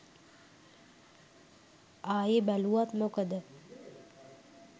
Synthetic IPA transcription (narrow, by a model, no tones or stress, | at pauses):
aːjebæluat̪mokəd̪ə